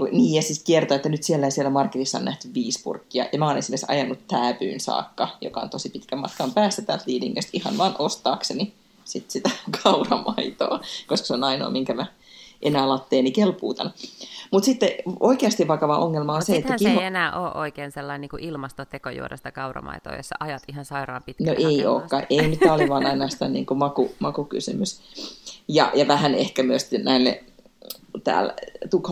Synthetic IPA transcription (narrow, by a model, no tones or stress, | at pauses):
kuniːjɑsit̪kiert̪oet̪ːænyt̪sielːæisielːˑæmɑrkːirisːɑo̰nnæht̪yʋʋiːspṵrkːiɑ̰jɑmæoːnesimerksɑ̰jɑnːut̪tːæːpy̰ːnsɑ̰ːkːɑjo̰kɑo̰nt̪osipit̪kæmɑt̪kɑmpæːsːæt̪æːlt̪liːnḭŋːø̰st̪ihɑ̰nʋɑːnʔost̪ɑːkseni | sit̪sit̪ækʰɑurɑmɑit̪o̰ːkoskɑ̥seonɑino̰ːmiŋkæmæ | ʔenæːlɑt̪ːeːnikelpuːt̪ɑ̰nmut̪sit̪ːeoikeɑst̪iʋʋɑkɑʋɑʔoŋːelmɑonseet̪ːækienæːʔoːʔʔoikeːnselːɑinniːŋkuʔilmɑst̪ot̪ekojṵoɾḛst̪ækɑurɑ̰mɑ̰it̪o̰ːjo̰sːɑʔɑjɑt̪ihɑnsɑirɑːpit̪noʔeio̰ːkːɑʔeinyt̪ːæoliʋɑːnɑinɑːsi̥t̪ænḭːŋkumɑkumɑkuky̰symys | jɑ̰jɑʋæhænehkæmyøst̪næilːḛ | t̪æ̰ːlt̪ukh